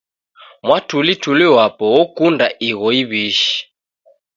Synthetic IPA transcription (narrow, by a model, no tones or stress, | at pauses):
mwatulituliwapɔwɔkundaʔiɣɔiβiʃi̥